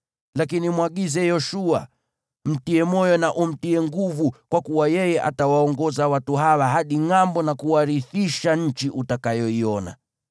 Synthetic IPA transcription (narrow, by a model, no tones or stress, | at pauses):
lakinimwaɠizɛjɔʃua | m̩tiɛmɔjɔnaʔum̩tiɛŋɡuvukwakuwajɛjɛʔa̰tawaɔŋɡɔzawatuɦawaɦaɗiŋambɔnakuwaɾiθiʃaɲ̩t͡ʃiʔutakajɔiɔna̰